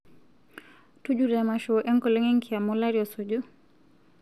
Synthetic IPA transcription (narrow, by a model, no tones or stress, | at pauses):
tud͡ʒudɛmaʃɔʔɛŋkɔlɛŋɛŋkiamɔlaɾiɔsod͡ʒu